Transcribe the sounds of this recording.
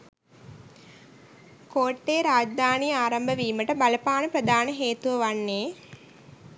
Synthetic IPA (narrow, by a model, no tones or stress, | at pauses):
koːʈːeːɾaːd͡ʒd̪aːnijaːɾambəʋiːməʈəbaləpaːnəpɾəd̪ʱaːnəɦeːt̪uʋəʋanːeː